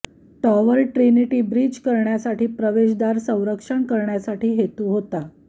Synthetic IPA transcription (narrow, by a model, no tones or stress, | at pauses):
ʈɔʋəlʈɾiniʈiːbɾiːd͡ʑkəɾɳjasaʈiːpɾəʋeɕd̪aɾsə̃w̃ɾəkʂəɳkəɾɳjasaʈiːɦet̪uːɦot̪a